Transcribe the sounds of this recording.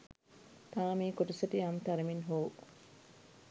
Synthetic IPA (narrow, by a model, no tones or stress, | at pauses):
t̪aːmiːkoʈisɐʈiɐmt̪ɐɾɐminɦoː